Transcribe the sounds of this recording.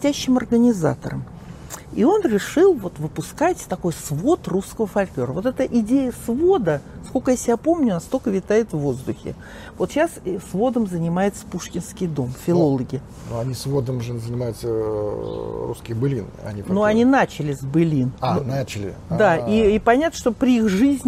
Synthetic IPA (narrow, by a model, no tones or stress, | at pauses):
tʲæɕːɪmɐrɡənʲɪza̰t̪ə̰ɾə̰m | io̞nɾʲɪʂɨlˠvo̞t̪vɨpʊskatʲt̪ɐko̞jsvo̞t̪ruskəvəfɐlʲklʲo̞ɾəvo̞t̪ɛt̪əʔɪdʲejəsvo̞d̪əskolʲkəjasʲɪbʲapo̞mnʲʊnast̪o̞lʲkəvʲɪt̪ajɪt̪vvo̞zd̪ʊxʲɪ̰ | vo̞t̪ɕassvo̞d̪əmzənʲɪmajɪt̪sə̥puʂkʲɪnskʲɪjd̪o̞mfʲɪlˠo̞lˠəɡʲɪ | nuɐnʲisvo̞d̪əmʐɨzənʲɪmajʊt̪sə | ɾṵskʲɪjbɨlʲinɐ̰nʲinuɐnʲinat͡ɕɪlʲɪzbɨlʲinnat͡ɕɪlʲɪd̪aiːpɐnʲat̪nəʂt̪opɾʲɪixʐɨzʲnʲ